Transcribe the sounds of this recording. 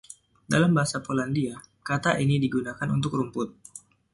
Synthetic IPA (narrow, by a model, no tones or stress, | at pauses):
dalambaɦasapolandiakat̪aʔinidiɡunakanṵnt̪ʊkɾumpʊt̪̚